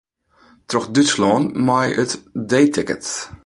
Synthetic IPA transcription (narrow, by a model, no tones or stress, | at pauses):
trɔxdytslɔːnmajətdeːtʰɪkə̰t